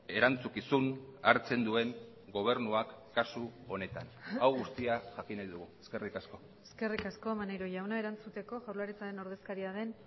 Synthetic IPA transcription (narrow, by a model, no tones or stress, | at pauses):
e̞ɾant͡sukisuna̰ɾt͡se̞nd̪ue̞ŋ | ɡo̞β̞e̞ɾnuakːasuo̞ne̞t̪anawɣust̪iaʝakinajðuɣ̞ue̞ske̞rikasko̞ | eske̞rikasko̞manejɾoʝawnae̞ɾant͡sut̪e̞ko̞ʝawɾlaɾit͡saɾe̞no̞ɾðe̞skaɾiaðe̞n